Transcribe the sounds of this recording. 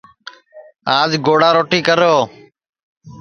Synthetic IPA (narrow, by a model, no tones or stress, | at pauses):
aːd͡ʒɡoːɽaːɾoːʈiːkəɾoː